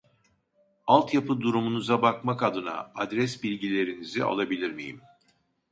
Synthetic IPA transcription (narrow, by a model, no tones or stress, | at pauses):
alˠt̪japʰɯd̪uɾumunuzabakmakad̪ɯna̰ad̪ɾɛsbilʲɟilʲe̞ɾinizia̰lˠabilʲiɾmijḭm